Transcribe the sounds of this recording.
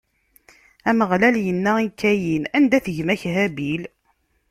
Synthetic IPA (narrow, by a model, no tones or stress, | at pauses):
æməʁlæljənːæikːæjinænd̪æθəʝmæçɦæbil